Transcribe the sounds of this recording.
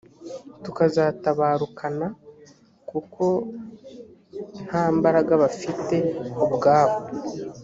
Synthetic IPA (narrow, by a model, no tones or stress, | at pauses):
tukazataβaːɾukʰana | kukʰo̞ | n̥haːmbaɾaɡaβafite̞ubɡaːβo